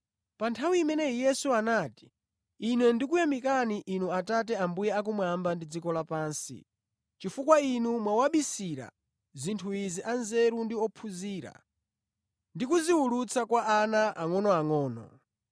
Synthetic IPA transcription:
pantʰawiːmɛnɛjɛsuanati̥ | inwɛndikujamikaniʔinuatatɛambujɛak̬umwambandid͡zikɔlapaːnsḭ | t͡ʃifukwainumwawaɓisiɾa̰ | zintʰuiziʔanzɛɾundiɔpʰuziːɾa̰ | ndikuziwulut͡sʰakwaʔanaʔaŋɔnɔaŋɔːnɔ̰

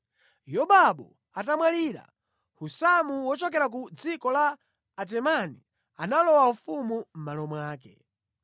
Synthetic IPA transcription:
jɔɓaɓɔ | atamwaliːɾa̰ | husamuwɔt͡ʃɔk̬ɛɾak̬ud͡zikɔlaː | t̬ɛmani | analɔwaufumum̩malɔmwaːkɛ̰

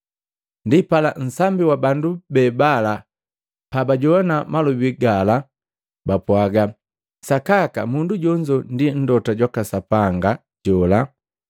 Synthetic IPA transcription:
ndipalan̩sambiwabandubɛbala | pabaɟɔnamalubiɡala | bapwaɡa | sakakamunduɟɔɲd͡ʒɔndin̩dɔtaɟwakasapaŋɡa | ɟɔla

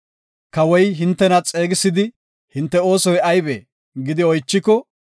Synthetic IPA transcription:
kɐwɔjɦɪnt̪ːɛnɐt͡sʼe̞ːɡɪsːɪd̪ɪ | hɪnt̪ːɛo̞ːsɔjɐjbḛː | ɡɪd̪ɪɔjt͡ʃːɪkːɔ

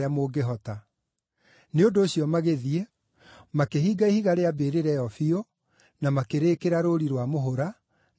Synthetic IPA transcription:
amoːɡeɦɔta | neondoːɕiɔmaɣeðie | makehiːɡaihiɣaɾeabeːɾeɾɛjɔfio | namakeɾeːkeɾaɾoɾiɾwamoɦoɾa

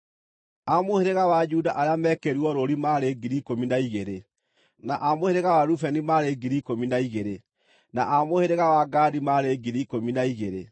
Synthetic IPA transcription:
amoheɾeɣawad͡ʒudaʔaɾeamɛːkeɾuɔɾoɾimaɾeɡiɾikominaiɣeɾe | naʔamoheɾeɣawaɾufɛnimaɾeɡiɾikominaiɣeɾe | naʔamoheɾeɣawaɡaːdimaɾeɡiɾikominaiɣeɾe

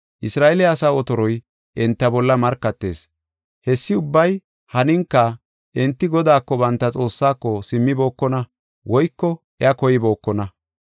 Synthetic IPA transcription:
ʔɪsɾaːɛlɛɐsaːɔt̪ɔɾɔj | ʔɛnt̪ːɐbɔlːɐmɐɾkːɐt̪ːe̞̰ːs | hɛsːɪʊbːɐj | hɐnɪŋkːɐ | ʔɛnt̪ːɪɡɔd̪aːkːɔbɐnt̪ːɐt͡sʼo̞ːsːaːkːɔsɪmːɪbo̞ːkːɔnɐ | wɔjkːɔ | ɛɐkɔjɪbo̞ːkːɔnɐ

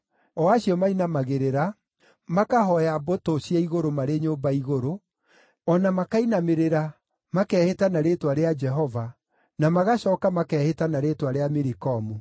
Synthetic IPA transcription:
ɔaɕiɔmainamaɣeɾeɾa | makaɦɔjabotoɕjaiɣoɾomaɾeɲoːmbaiɣoɾo | ɔnamakainameɾeɾa | makɛhetanaɾetwaɾead͡ʒɛɦɔva | namaɣaɕɔkamakɛːhetanaɾetwaɾeamiɾikɔmu

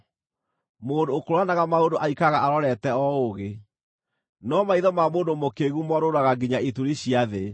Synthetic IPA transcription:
moːndoːkoɾwanaɣamaondoʔaikaɣaʔaɾɔɾɛtɛɔoɣe | nɔmaiðɔmamoːndomokeɣumɔɾoɾaɣaɡiɲaituɾiɕiaðe

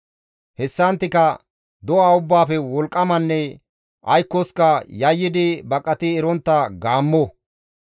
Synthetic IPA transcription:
hɛsːɐnt̪ːɪkɐ | d̪ɔaːʊbːaːfɛwɔlkʼːɐmɐnːɛ | ʔɐjkːɔskɐjɐjːɪd̪ɪbɐkʼːɐt̪ɪɛɾɔnt̪ːɐɡaːmːɔ

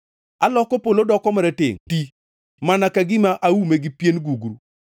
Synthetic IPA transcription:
alɔkɔpolodɔkɔmaɾɛtɪŋti | manakaɡɪmaʔawumeɡɪpjenɡuɡɾu

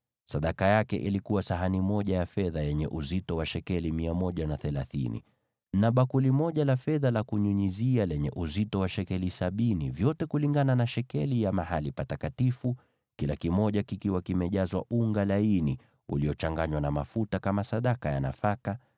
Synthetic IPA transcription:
saɗakajakɛʔilikuwasaɦanimɔʄajafɛðajɛɲɛʔuzitɔwaʃɛkɛlimiamɔʄanaθɛlaθḭnḭ | naɓakulimɔʄalafɛðalakuɲuɲizialɛɲɛ̰ʔuzitɔwaʃɛkɛlisaɓinḭvjɔtɛkuliŋɡananaʃɛkɛlijamahalipatakatifu | kilakimɔʄakikiwakimɛʄazwa̰ʔuŋɡalaini | ṵliɔt͡ʃaŋɡaɲwanamafutakamasaɗakaja̰na̰faka

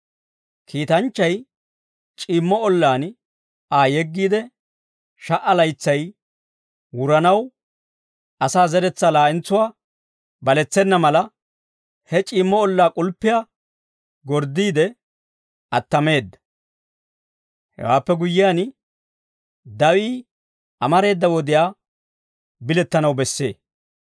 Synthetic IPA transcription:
kʰiːt̪ɐnt͡ʃːɐj | t͡ʃʼiːmːɔɔlːaːn | aːjɛɡːiːd̪ɛ | ʃɐʔɐlɐjt͡sːɐj | wʊɾɐnɐw | ɐsaːzɛɾɛt͡sːɐlaːɪnt͡sːʊwaː | bɐlɛt͡sːɛnːɐmɐlɐ | hɛt͡ʃʼiːmːɔɔlːaːkʼʊlpːɪjaː | ɡɔɾd̪ːiːd̪ɛ | ɐt̪ːɐme̞ːd̪ːɐ̥ | hɛ̰waːpːɛɡʊjːɪjaːn | d̪ɐwiː | ʔɐmɐɾe̞ːd̪ːɐwɔd̪ɪjaː | bɪlɛt̪ːɐnɐwbɛsːe̞̰ː

